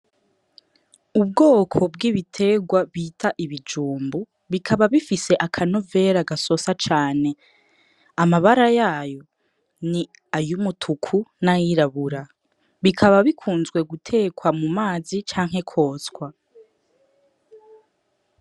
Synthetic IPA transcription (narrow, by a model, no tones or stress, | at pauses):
ub̚ɡoːkʰo̞bɡiːβitʰe̞ɡwaβiːtʰaʔiβid͡ʒuːmbu | βikʰaβaβifise̞ʔakʰano̞ve̞ɾaɡaso̞sat͡ʃaːne̞ | amaβaɾajaːjo̞ | ni | ajumutʰukʰunajiɾaβuɾa | βikʰaβaβikʰuːnzɡwe̞ɡutʰe̞kwamumaːzit͡ʃaːŋ̥he̞kʰo̞ːsɡwa